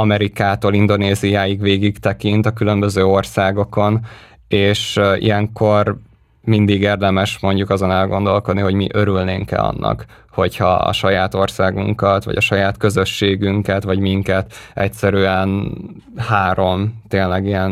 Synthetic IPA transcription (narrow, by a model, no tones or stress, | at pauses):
ɒmɛɾikaːt̪oːlind̪o̞neːzijaːjiɡʋeːɡikt̪ɛkint̪ɒkylø̞mbøzøːo̞rsaːɡo̞ko̞n | eːʃḭjɛŋko̞r | mind̪iɡeːrd̪ɛmɛʃmo̞ɲɟukɒzo̞nɛlɡo̞nd̪o̞lko̞d̪niɦo̞ɟmḭʔø̞ɾylneːŋkɛ̰ɒ̰nːɒ̰k | ho̞chɒɒ̰ʃɒjaːt̪o̞rsaːɡṵŋkɒt̪ʋɒ̰ɟɒ̰ʃɒjaːt̪kø̞zø̞ʃːeːɡyŋkɛt̪ʋɒɟmiŋkɛt̪ʔɛ̰csɛɾyɛn | haːɾo̞mt̪eːnlɛɡijɛn